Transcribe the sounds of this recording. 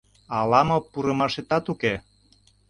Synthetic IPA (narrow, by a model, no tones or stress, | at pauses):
ɑlɑmɤ̆puɾɤ̆mɑʃet̪ɑt̪uke